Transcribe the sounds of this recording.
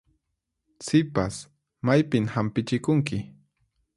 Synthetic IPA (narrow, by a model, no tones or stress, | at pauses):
sɪpas | majpɪmhampɪt͡ʃɪkʊŋkɪ